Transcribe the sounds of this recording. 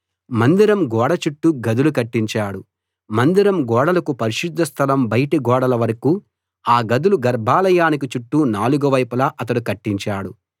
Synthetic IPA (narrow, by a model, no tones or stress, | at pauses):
mɐnd̪iɾɐmɡɔːɽɐt͡ʃuʈːuɡɐd̪ulukɐʈːiɲt͡ʃaːɽu | mɐnd̪iɾɐmɡɔːɽɐlɐkupɐɾiʃid̪ʱːɐst̪ʰɐlɐmbɐjʈiɡɔːɽɐlɐʋɐɾɐkuː | aːɡɐd̪uluɡɐɾbʱaːlɐjaːnikit͡ʃuʈːunaːluɡuʋɐjpulɐʔɐt̪̬ɐɽukɐʈːiɲt͡ʃaːɽu